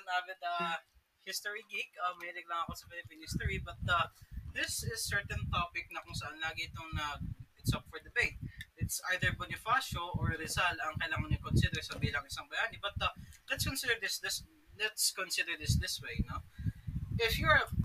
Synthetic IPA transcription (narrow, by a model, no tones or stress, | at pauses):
sɐnaːbɛt̪ɐ | hɪst̪ɔɹiɡikɐmɐhiːlɪɡ̚lɐŋɐkosɐfɪlɪpĩːnhɪst̪oɹibɐt̪̚ɐd̪ɪsɪzsɛɹt̪ɛnt̪opɪk̚nɐkʊŋsɐʔanlaːɡɪɪt̪oŋnɐɡɪt̪sɐpfɔɹd̪ɐbeɪt̪ɪt̪sʔajd̪əɹbonɪfaʃoʔoɹɾɛzalɐŋkɐjlaːŋɐnɐkonsɪd̪ɛɾsɐbiːlɐŋɪsɐŋbɐjaːnɪbɐt̪̚ɐlɛt̪skõnsɪd̪əɹd̪ɪsd̪ɪs | lɛt̪skõnsɪd̪əɹd̪ɪsd̪ɪswejno | ʔɪfjʊɹ